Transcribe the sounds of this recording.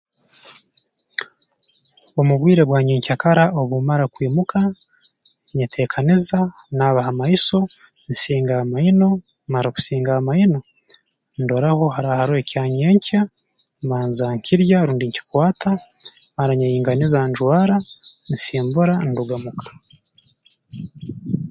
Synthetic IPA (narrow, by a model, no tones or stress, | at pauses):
omuβwiːɾe̞βwaːɲeɲcakaɾao̞βumaɾakwiːmukʰa | ɲatʰe̞ːkʰanizanaβahamaiso̞ | nsiːŋɡaamaino̞ | maɾaku̥siːŋɡaamaino̞ | ndoɾaho̞ɦaɾahaɾoecaːɲeːɲcʰa | maːnzaŋcʰiɾjaɾuːndiɲci̥kwaːtʰamaɾaɲajiːŋɡanizanʒwaːɾansiːmbuɾanduɡamukʰḁ